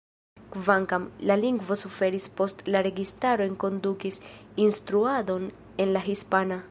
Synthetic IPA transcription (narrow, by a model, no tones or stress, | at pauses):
kvaŋkamlaliŋɡvo̞sufe̞ɾispo̞stlaɾe̞ɡistaɾo̞eŋko̞ndukisinstɾuado̞n | e̞nlaɦispana